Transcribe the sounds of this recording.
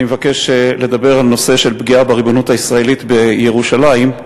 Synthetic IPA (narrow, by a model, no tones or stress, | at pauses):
imevake̞ʃle̞d̪abe̞ʁalno̞se̞ʃe̞lbɡiabeʁibonutaisʁae̞lit̪be̞jeʁuʃalaim